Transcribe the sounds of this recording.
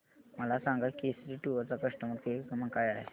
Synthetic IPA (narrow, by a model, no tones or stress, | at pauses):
məlasãŋɡat̪kesɾiʈuʋəɾt͡sakəʂʈəməʈkekəməŋkajaɦe